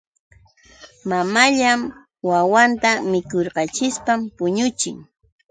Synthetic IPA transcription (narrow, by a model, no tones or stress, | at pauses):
mamaʎam | wawant̪amɪkoɾqɑt͡ʃɪspampʊɲʊt͡ʃɪ̰ŋ